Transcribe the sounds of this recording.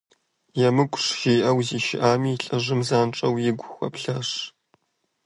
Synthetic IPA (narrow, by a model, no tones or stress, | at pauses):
jɛmɨɡʷʼʊʂʒ̥iːʔɐwziːʃɪ̰ʔaːmiːɬʼɐʒɨmzaːnʈ͡ʂʼɐwjɪɡʷʊxʷɐ̰pɬɐʂ